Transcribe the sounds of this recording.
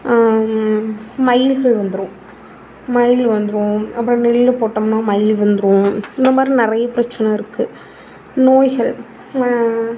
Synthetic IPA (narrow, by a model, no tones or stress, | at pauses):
mɐɪlɣɐɭʋɐnd̪ɯɾõ | mɐɪlʋɐnd̪ɯɾõɐpːɐɽĩnɪɭɪlːpoːʈːɐmnaːmɐɪlʋɐnd̪ɯɾõɪnd̪ɐmaːd̪ɾinɪɾɐjɐpɪɾɐt͡ʃːɐnɐɪɾɯkːɯ | noːjɣɐɭ